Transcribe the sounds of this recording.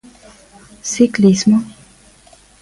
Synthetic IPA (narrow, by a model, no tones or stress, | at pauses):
siklismə